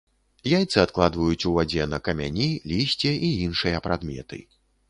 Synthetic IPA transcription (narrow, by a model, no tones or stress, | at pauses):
jajt̪sɨat̪̚klˠad̪vɐjut͡sʲuvad͡zʲɛnɐkɐmʲa̰nʲilʲisʲt͡sʲɛʔiinʂɨjɐpɾad̪mʲɛ̰t̪ɨ̰